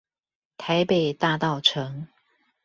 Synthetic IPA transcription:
t̪ʰa˨˦ɪpe˨˩ɪt̪a˥˧t̪ɑ˥˨ʊʈ͡ʂʰɤ˧˦ŋ

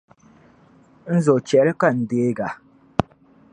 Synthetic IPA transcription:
n̩˦zo˨t͡ʃɛ˨˦ɾɨ˦ka˦n̩˨deː˦ɡa˨

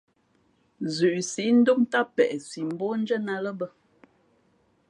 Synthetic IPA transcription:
zʉ˨ʔsi˨˦n̩˦do˦mta˦pɛ̰˨ʔsi˨m̩˨˦bɔ˦n̩˦d͡ʒə˦na˨lə˦bə˦

